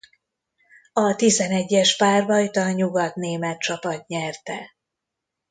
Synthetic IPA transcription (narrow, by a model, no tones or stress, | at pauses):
ɒt̪izɛnɛɟːɛʃpaːrvɒjt̪ɒɲuɡɒt̪neːmɛt̪̚t͡ʃɒpɒt̪ɲɛrt̪ɛ